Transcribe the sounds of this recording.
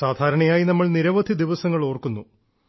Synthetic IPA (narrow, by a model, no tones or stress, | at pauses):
saːd̪ʱaːɾɐɳɐjaːjinɐmːɐɭniɾɐʋɐd̪ʱid̪iʋɐsɐŋːɐɭo̞ːrkunːu